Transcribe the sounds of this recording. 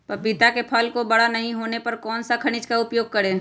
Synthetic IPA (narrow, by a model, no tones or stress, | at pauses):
pɐpɪt̪akepʰɔːlkobɐɽanɐɦĩɦoːnepɐɾkɔːnsakʰɐɽ̃ɪt͡ʃkaʊpjoːɡ̚kɐɾeː